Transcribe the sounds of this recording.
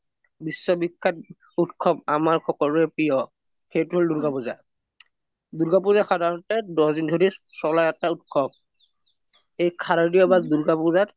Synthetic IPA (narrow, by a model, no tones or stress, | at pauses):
bisːɔbikʰːat̚ | utkʰɔbamaɹkʰɔkɔlʊɛpijɔ | xejtuɦɔlduɹɡapuza̰ | duɹɡap̬uzaxadʱaɹɔntɛdɔdindʱoɹi | sɔlaɛtaut̚kʰɔb̚ | ejkʰaɹadiɔbaduɹɡapuzat